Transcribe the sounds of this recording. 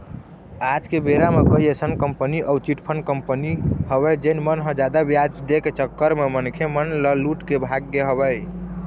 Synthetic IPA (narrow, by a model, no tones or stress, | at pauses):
ad͡ʒkebeɾamekəɦijesənkəmpəniʔəwt͡ʃiʈpʰənkəmpənihəβɛjd͡ʒenmənɦə̃d͡ʒad̪abjad͡ʒd̪eket͡ʃəkːəɾmemənkʰemənləluʈkebʱaɡːeɦəβɛj